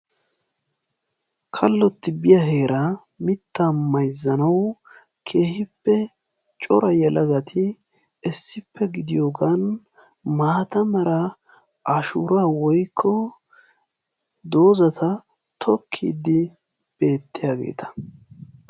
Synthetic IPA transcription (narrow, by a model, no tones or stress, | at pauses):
kʰɐlːɔt̪ːɪbɪjɐɦe̞ːɾɐ | mɪt̪ːamɐjzːɐnɐw | kʰe̞ːhɪpːɛ | t͡ʃʼɔɾɐjɛlʔɐɡɐt̪ʰɪ | ɛsːɪpːɛɡɪd̪ɪjo̞ːɡan | maːt̪ɐmɐɾɐ | ʔaʃuːɾaːwɔjkʰːɔ | d̪o̞ːzɐt̪ʰɐ | t̪ʰɔkʰːḭːd̪ɪ | b̥e̞ːt̪ːɪjaːɡe̞̰ːt̪ʰɐ̥